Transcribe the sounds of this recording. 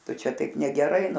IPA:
ˈtʊ ˈt͡ʃʲɛ ˈtɐɪp nʲɛɡʲɛˈrɐɪ

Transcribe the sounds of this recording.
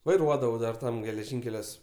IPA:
ʋɐɪˈruɔdɐʋɐʊ dɐr ˈtɐm ɡʲɛlʲɛˈʒʲɪŋʲkʲɛlʲuɔs

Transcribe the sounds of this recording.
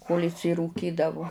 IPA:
koːlʲ ɪʃʲsʲɪruːˈkʲiːdɐʋʊ

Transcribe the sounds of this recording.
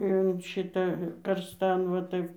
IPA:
ɪn ˈʃʲɪtɐ kɐrsˈtɐn ʋɐ ˈtɐɪp

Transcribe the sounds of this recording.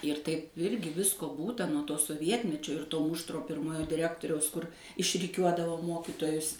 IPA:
ɪr tɐɪp ˈɪrʲɡʲɪ ˈʋʲɪskoː ˈbuːtɐ nuɔ ˈtoː soːˈʋʲiɛtʲmʲɛt͡ʃʲoː ɪr ˈtoː ˈmʊʃtroː ˈpʲɪrmoːjoː dʲɪˈrʲæːktoːrʲɛʊs kʊr ɪʃʲrʲɪˈkʲuɔdɐʋoː ˈmoːkʲiːtoːjʊs

